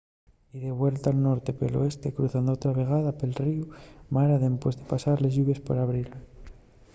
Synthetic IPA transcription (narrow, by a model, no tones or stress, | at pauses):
iðe̞βwe̞lt̪alno̞ɾt̪e̞pḛlo̞̰e̞st̪e̞kɾuθand̪oot̪ɾaβe̞ɣ̞aðape̞lriumaɾaðempwezðe̞pasaɾle̞zʝuβe̞spoɾaβɾiɾe